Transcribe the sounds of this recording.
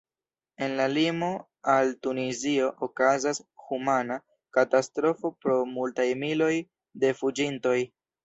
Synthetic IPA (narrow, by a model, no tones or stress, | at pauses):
e̞nlalimo̞ | altunizio̞ʔokazashumana | katastɾo̞fo̞pɾo̞multajmilo̞j | de̞fud͡ʒinto̞j